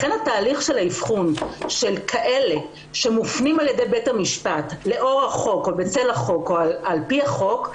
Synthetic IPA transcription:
χenataːliχʃelaifχunʃe̞lkʰaʔe̞le̞ | ʃe̞mufnimalje̞dejbethamiʃpatle̞ʔo̞ʁaχo̞kobet͡selaχo̞koaalpiaχo̞k

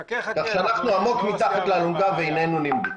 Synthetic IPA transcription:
kaχʃeanaχnuamo̞kmit̪aχat̪leːluŋɡaveinenunimdi

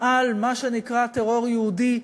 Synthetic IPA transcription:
ʔalmaʃe̞nikʁat̪eʁo̞ʁjeud̪i

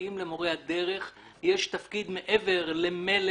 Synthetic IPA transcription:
imlemoʁehad̪e̞ʁe̞χ | jeʃt̪afkid̪meʔeve̞ʁlemel

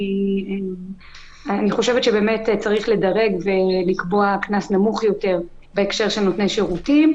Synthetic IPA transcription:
ie | aniχo̞ʃevtʃebe̞ːmett͡saʁiχle̞daʁe̞ɡve̞likbo̞aknasnamuχjo̞te̞ʁ | be̞ːkʃe̞ʁʃenotneʃeʁutim

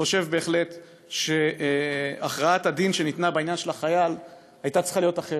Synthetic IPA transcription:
o̞ʃe̞vbe̞ːχle̞t̪ | ʃe | aχʁaatadinʃenit̪nabainjanʃe̞laχajal | ajtat͡si̥χalijo̞taχe

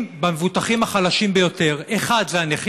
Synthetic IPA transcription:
bamevut̪aχimaχalaʃimbejo̞t̪e̞ʁeχad̪zeaneχ

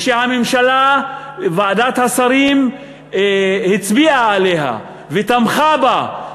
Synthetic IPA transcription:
ʃehamemʃala | vaad̪at̪hasaɾim | hit͡sbiaːleɦa̰ | vet̪amχaba

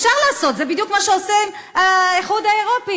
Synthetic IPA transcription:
fʃaʁlaːso̞t̪zebid̪jukmaʃeosim | aeχud̪aeʁo̞pi

